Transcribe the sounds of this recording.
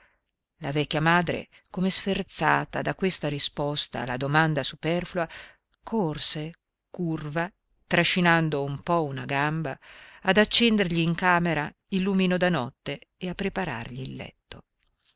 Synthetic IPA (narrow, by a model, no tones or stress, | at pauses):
lavɛkʲːjamaːd̪ɾḛ | komesfert̪saːt̪ad̪akwest̪aɾispɔst̪a̰ːlːad̪omand̪asupɛrfulua | kʰorse | kurva | t̪ɾaʃinand̪oumpɔunaɡambaːd̪at͡ʃːɛnd̪erʎiːŋkaːmeɾa | ilːuminod̪anɔt̪ːeeapːɾepaɾa̰rʎiːlːɛ̰t̪ːo̰